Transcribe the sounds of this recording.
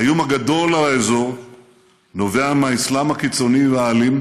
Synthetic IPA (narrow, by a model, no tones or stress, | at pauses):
hajomaɡad̪o̞lalaezo̞ʁ | noveamaislamhakit͡so̞niveaːlim